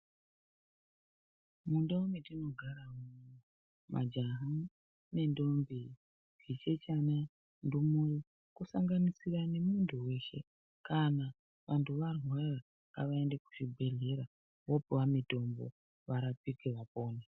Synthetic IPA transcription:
mundomitino̞ɡʱaɾamu | mʔa̰d͡ʒaɦa | ne̞ndo̞mbi | ɡit͡ʃe̞t͡ʃana | ndumuji | kusaŋɡanisirane̞munduweʃe̞̰ | kana | ʋʔantʰuʋarwara | ka̰ʋaendeku̥t͡ʃibʱe̞ɮe̞ɾa | wopewamito̞mbo̰ | ʋaɾapikeʋapo̞ːne

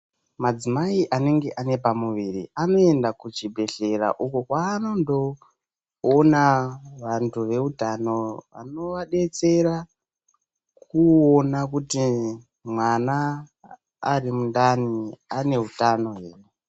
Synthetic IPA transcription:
mad͡zimaiʔane̞ŋɡe̞ʔane̞pamuʋirḭano̞e̞ndakut͡ʃibʱe̞ɬe̞ra̰ʔukokwaːno̞ndo̞ | onaʋantʰuʋe̞utano̞ʋa̰no̞ʋaɗe̞t͡se̞ra | kuonakuti | mwanaː | rimundaniane̞ɦutano̞ɦḛːre

